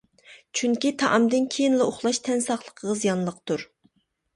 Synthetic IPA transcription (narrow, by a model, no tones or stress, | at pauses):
t͡ʃʰyŋkʲit̪ʰɑʔɑmd̪ɨnkʲʰejinlˠɑoχlˠɑʃt̪ʰɛnsɑχlˠəqʰəʁɑzijɑnlˠəqt̪uɾ